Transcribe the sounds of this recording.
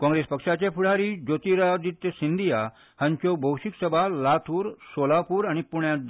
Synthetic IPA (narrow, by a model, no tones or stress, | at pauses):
kɔ̃ŋɡɾespəkʂat͡ɕepʰuɽ̤aɾid͡ʑot̪iɾad͡zit̪jsind̪ija | həɲt͡ɕɔbʱəwʂiksəbʱalat̪ʰuːɾsolapuːɾañipuɳja